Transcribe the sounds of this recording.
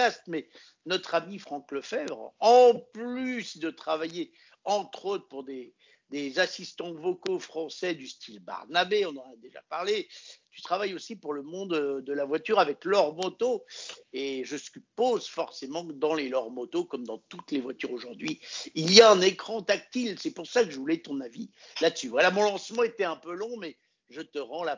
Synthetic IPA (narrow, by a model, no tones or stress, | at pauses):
ast̪mɛ | nɔt̪χamifχɑ̃kləfɛbʁɑ̃plysd̪ət̪χavaje | ɑ̃t̪χot̪χəpuʁd̪e | d̪ezasist̪ɑ̃vɔkofχɑ̃sɛd̪yst̪ʰilba̰ʁnabeɔ̃nɑ̃nad̪eʒa̰pa̰ʁlet̪y̥t̪χavajosipuʁləmɔ̃d̪d̪əlavwat̪yʁavɛklɔʁmɔt̪oeʒəsypozfɔʁsemɑ̃d̪ɑ̃lelɔʁmɔt̪okɔmd̪ɑ̃t̪ut̪levwat̪yʁoʒuʁd̪ɥiilijaɛ̃nekχɑ̃t̪ak̚t̪ilsɛpuʁsakəʒəvulɛt̪ɔ̃navilad̪əsyvwalamɔ̃lɑ̃smɑ̃et̪ɛɛ̃pølɔ̃mɛ | ʒət̪əʁɑ̃la